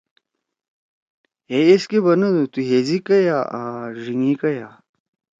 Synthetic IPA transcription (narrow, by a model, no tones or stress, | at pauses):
ɦeeskebɐnɐd̪ut̪uɦezikɐjaaʐiŋikɐjaː